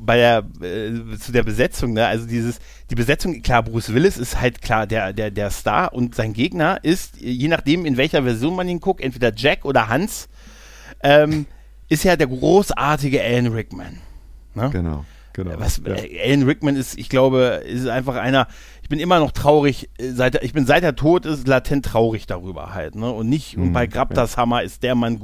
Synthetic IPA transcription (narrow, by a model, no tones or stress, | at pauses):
baɪdeːɐɛt͡sudeːɐbəzɛt͡sʊŋnəʔa̰lzodiːzəs | d̥iːbəzɛt͡sʊŋkʰl̥aːbusv̥ɪlɪsɪsthaltkʰl̥aːɐdeːɐdeːɐdeːɐsta̰ːɐʔʊntz̥aɪnɡeːɡnɐʔɪstːjeːnaχd̥eːmɪnvɛlçɐvɛɐzjoːnmaniːnkʰʊk̚tʔɛntv̥eːdɐd͡ʒɛkʔoːɾɐɦans | ʔɛːm | ʔɪstjaːdeːɐɡʁoːsʔa̰ːɐtɪɡəʔɛlnʁɪkmɛ̰nː | ə̰̥ | vasɛ̰ːʔɛlnʁɪkmɛnɪstɪ̰çɡ̥laʊbəɛ̰sɪstʔaɪnfaχʔa̰ɪnɐ | ʔɪçb̥ɪnʔɪmɐnɔχtʁ̥aʊʁ̞ɪçzaɪteɐɪçb̥ɪnzaɪteːɐtʰoːtɪslatʰɛntːʁ̥aʊʁɪçd̥aʁyːbɐ̰ha̰ltnəʊntnɪçtʊnb̥aɪɡʁap̚tashamaɪst̚d̥eːɐman